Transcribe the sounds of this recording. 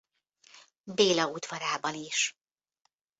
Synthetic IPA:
beːlɒud̪ʋɒɾaːbɒniʃ

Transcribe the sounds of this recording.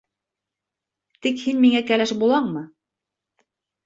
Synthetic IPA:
t̪ikhinmiŋækælæʃbulˠɑɴmɤ

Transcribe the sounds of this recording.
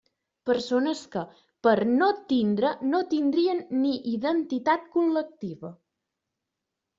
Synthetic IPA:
pəɾsonəskə | pəɾnot̪ind̪ɾənot̪ind̪ɾiənːiʔiðənt̪it̪at̪̚kulək̚t̪iβə

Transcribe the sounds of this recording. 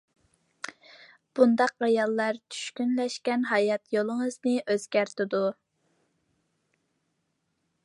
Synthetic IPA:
b̥und̪ɑqɾɑjɑlˠːɑɾt͡ʃʰy̥ʃkʲynlɛʃkʲɛnɦɑjɑt̪jolˠəŋəznɨʔøzɡʲæɾt̪ʰɪd̪u

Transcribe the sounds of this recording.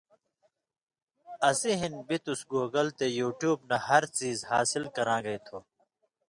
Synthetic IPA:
ɐsiɦinbit̪usɡoːɡɐlt̪ejuːʈjuːbnɐɦɐɾt͡siːzhaːsilkɐɾãːɡɐit̪ʰoː

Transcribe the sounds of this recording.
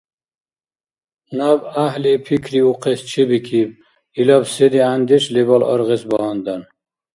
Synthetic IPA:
nabahlipʰikʰɾiuqʰest͡ʃʰibikʰib̚ | ilɔbsed̪iand̪iʃlebɔlɔ̰ɾʁisbɔhɔnd̪an

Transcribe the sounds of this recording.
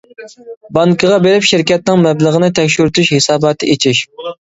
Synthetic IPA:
bɑŋkʰəʁɑbeɾɪpʃɪɾkʲɛt̪̚nɪŋmɛbləʁənɨt̪ʰɛkʲʃyɾt̪yʃhesɑːbɑːt̪ʰɨet͡ʃʰiʃ

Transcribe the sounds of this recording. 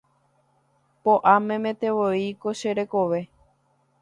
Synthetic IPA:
poʔamẽ̞mẽt̪e̞ʋoiko̞ʃeɾe̞koʋe̞

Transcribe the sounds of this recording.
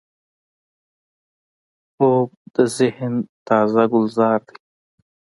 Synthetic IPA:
xoːb̚d̪̥əzɪhnt̪aːzaɡʊlzɑːɾd̪i

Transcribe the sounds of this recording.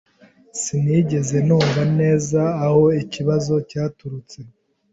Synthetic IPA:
siniːɟe̞ze̞nuːɱvane̞ːzaːho̞iciβazo̞caːtuɾut͡se̞

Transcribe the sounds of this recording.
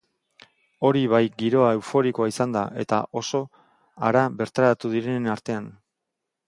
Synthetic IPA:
o̞ɾiβ̞ajɡiɾo̞ae̞wfo̞ɾiko̞aisand̪aʔe̞̰t̪a̰ʔo̞so̞ | a̰ɾaβe̞ɾt̪aɾat̪uðiɾe̞naɾt̪e̞an

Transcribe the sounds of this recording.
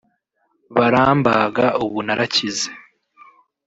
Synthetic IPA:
βaɾaːmbaɡauβunaɾacize

